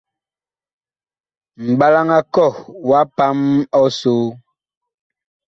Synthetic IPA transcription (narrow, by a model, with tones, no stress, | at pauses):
m̩˨ɓa˦la˦ŋa˦kɔ˦˨wa˦pa˦mɔ˦so˦